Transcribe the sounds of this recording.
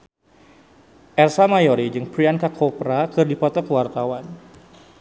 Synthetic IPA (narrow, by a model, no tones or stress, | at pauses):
ʔɛrsamajoɾid͡ʒɨŋpɾiankakʰopɾakɨrdipɔt̪ɔkəwart̪awan